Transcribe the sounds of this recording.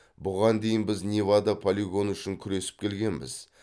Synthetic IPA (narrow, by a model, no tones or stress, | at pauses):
bʊʁɑnd̪e̞jɪnbɪznʲivad̪ɑpʰolʲiɡo̞nʏʃɪŋkʲʰʏɾe̞sɪ̥p̚kʲʰe̞lɡʲe̞nbɪ̰z̥